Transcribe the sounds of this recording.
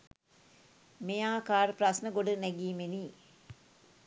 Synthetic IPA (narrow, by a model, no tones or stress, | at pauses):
mejaːkaːɾəprasnəɡoɖənɛɡiːmeniː